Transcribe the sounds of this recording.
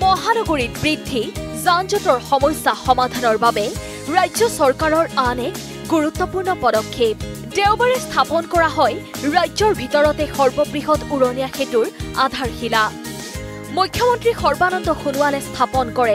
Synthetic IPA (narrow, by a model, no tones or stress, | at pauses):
mɔɦanɔɡoɹitbɹidʱːizanzɔtɔɹxɔmɔjsːaxɔmad̪ʱanɔɹbabɛ | ɹajzɔsɔɹkaɹɔɹanɛk | ɡuɹut̪ːɔpuɹnɔpɔdɔkʰːep̚ | teʊbaɹɛstʰapɔnkɔɹaɦɔjɹajzɔɹbʱitɔɹɔtɛxɔɹbɔbɹixɔtuɹɔnijaxetuɹa̰d̪ʱaɹxila | mukʰːjɔmɔntɹixɔɹbanɔndɔxunʊwalɛst̪ʰapɔnkɔɹɛ